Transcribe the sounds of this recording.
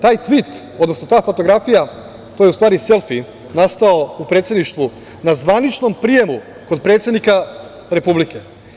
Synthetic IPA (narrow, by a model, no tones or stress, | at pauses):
t̪aːjt̪ʋit̪ | od̪nosnot̪aːfo̞t̪o̞ɡɾafija | t̪ojeust̪ʋaːɾise̞lfi | nast̪aoupɾet̪se̞d̪niʃt̪ʋu | nazʋanit͡ʃno̞mpɾije̞mu | ko̞d̪̚pɾet̪se̞d̪nika | ɾe̞publike̞